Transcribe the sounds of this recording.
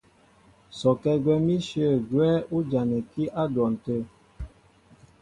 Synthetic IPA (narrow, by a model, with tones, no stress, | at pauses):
sɔ˨kɛ˦ɡwɛ˦mi˦ʃjə˦˨ɡwɛː˦u˦d͡ʒa˨nɛ˨ki˦ʔa˦dwɔ˨n̩˨tə˦˨